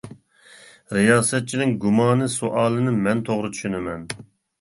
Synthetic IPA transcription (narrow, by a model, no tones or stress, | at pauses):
ɾijɑːsɛt̪̚t͡ʃʰinɪŋɡumɑːnɨsuʔɑːlˠɨnɨmɛnt̪ʰoʁɾɨt̪ʰy̥ʃynɪmɛn